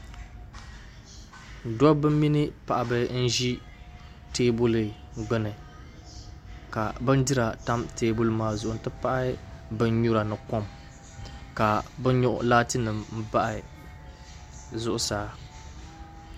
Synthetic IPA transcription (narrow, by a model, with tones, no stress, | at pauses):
dɔ˦bɨ˦mi˦nɨ˦pa˨ʔa˨bɨ˦n̩˦ʒi˦ | teː˦bu˦lɨ˨ɡ͡bɛ˨nɨ˨ | ka˨bɨ˦n˦dɨ˦ɾa˨ta˦mteː˦bu˦lmaː˨zʊ˨ʔʊ˨n̩˨tɨ˦pa˦ʔa˦bɨ˦n˦ɲu˦ɾa˨nɨ˨kɔ˦m | ka˨bɨ˦ɲʊ˦ʔʊ̰˦laː˦tɨ˦nɨ˨mm̩˦ba˦ʔɪ˨ | zʊ˦ʔʊ˦saː˦